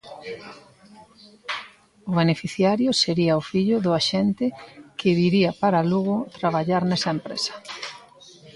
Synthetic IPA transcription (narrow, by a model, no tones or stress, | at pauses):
ʊβenefiθjaɾjʊseɾiɐʊfiʎʊðʊaʃɛnt̪ɪkɪβiɾiɐpaɾaluɣʊt̪ɾaβ̞aʎaɾnɛsɐempɾḛsɐ̥